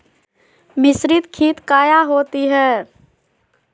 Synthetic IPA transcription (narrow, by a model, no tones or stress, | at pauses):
mɪsɾɪt̪kʰiːt̪kaːjaɦoːt̪iɦɛː